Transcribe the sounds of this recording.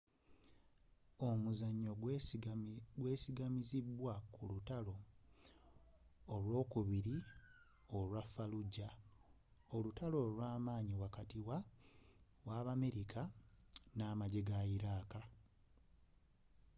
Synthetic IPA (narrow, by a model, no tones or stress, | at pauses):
o̞muzaɲːo̞ | ɡwe̞ːsiɡamizibwakulutalo̞ | lwo̞ːkuβiɾi | o̞lwafːaluɟːa | o̞lutalo̞ːlwaːmaːɲiwakatiwa | waːβameɾikʰanaːmaɟeɡaiɾaːka